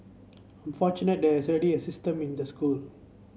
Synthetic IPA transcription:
ãnfɔt͡ʃunət̚d̪ɛisɹɛɖiesɪstə̃mĩnd̪əskul

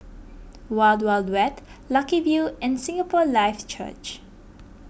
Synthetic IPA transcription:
waɪldwaldwɛtlakivjuɛ̃nsĩŋəpɔlaɪft͡ʃʰə̰t͡ʃ

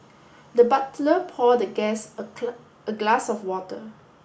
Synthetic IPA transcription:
dəbatləpʰɔdəɡɛsə | əɡlasɔfwɔtə̰

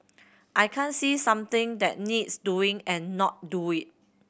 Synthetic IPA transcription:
ʔajkʰãnsisãmt̪ɪ̃ŋd̪ɛ̰t̚nidsduɪ̃ŋɛ̃nːɔt̚duit̚

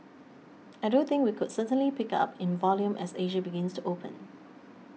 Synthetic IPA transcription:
aɪdõnθɪ̃ŋkwikʊdsətə̃nlipɪka̰pʰɪ̃nvɔljũmʔɛ̰seʒəbɪɡɪ̃nstʰuʔopʰə̰̃n

